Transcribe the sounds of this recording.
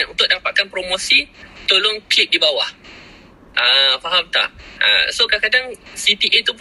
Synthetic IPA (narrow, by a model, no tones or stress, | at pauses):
nṵnt̪ʊʔ̚dapat̪̚kanpɾomosit̪olʊŋklɪk̚dibawah | ʔəfaɦamt̪a̰ʔʔə̰sokakadaŋsit̪iʔet̪up̬